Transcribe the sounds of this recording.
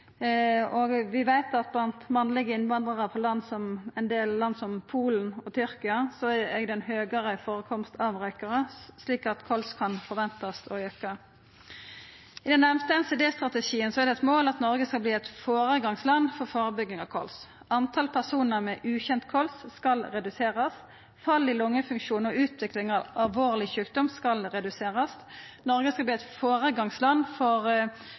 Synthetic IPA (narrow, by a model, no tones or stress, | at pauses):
ɔɡʋɪʋæɪt̪ɑt̪̚blɑnt̪mɑnlɪɡəɪnʋɑnd̪ʁəʁəpʰɔlɑnːsɔmɛnd̪eːlːɑnːsɔmpʰuːln̩ɔt̪ʰʏɾkɪɑsɔæɛɡd̪ɛnɦøːɡəɾəfoːʁəkʰɔmst̪ɑʋʁœʏkəɾəsliːkɑt̪kʰɔlskʰɑnfɔʁʋɛnt̪ɑst̪ɔjœkːə | ɪd̪ɛnːɛmst̪əɛnseːd̪eːst̪ʁɑt̪əʃiːənsɔɛæʁd̪ɛɛt̪moːlɑt̪nɔɾɡəskɑbliːɛt̪foːʁəɡɑŋslɑnːfɔʁfoːʁəbʏɡːɪŋɑʋkʰɔ̰ls | ɑnt̪ʰɑlpʰæʁsuːnəʁmɛʔʉːçɛnt̪kʰɔlsskɑlʁɛd̪ʉseːʁɑs | fɑlːɪlʊŋːəfʉŋkʂuːnɔʉːt̪ʋɪklɪŋɑʋɑlʋoːʁlɪçʉːk̚d̪ɔmskɑlʁɛd̪ʉseːʁɑsnɔɾɡəskɑlbliːɛt̪foːʁəɡɑŋslɑnːfɔʁ